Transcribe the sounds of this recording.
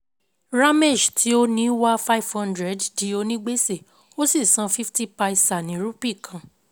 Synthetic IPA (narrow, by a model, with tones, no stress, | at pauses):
ɾa˦me˦˨d͡ʒtʰi˨˦o˦nĩ˦wa˦fa˦i˨vhã˦ndɾɛ˦˨ddi˨˦o˧nĩ˦ɡ͡be˦se˦˨ | o˦si˦˨sã˧˦fi˦fti˦pa˧i˧sa˨nĩ˨˦ɾu˦pi˦˨kʰã˨